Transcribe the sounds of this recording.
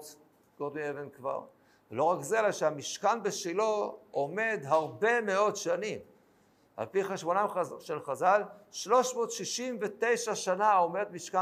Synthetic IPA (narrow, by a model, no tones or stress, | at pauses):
t | ɡ̥od̪mievenkva̰ʁ | velo̞ʁakzelaʃeamiʃkanbeʃiloome̞d̪ɦaʁbe̞me̞o̞dʃanim | a̰lpiχaʃmonajʃelχazalʃlo̞ʃmo̞t̪ʃiʃimvet̪e̞jʃaʃanao̞me̞d̪miʃka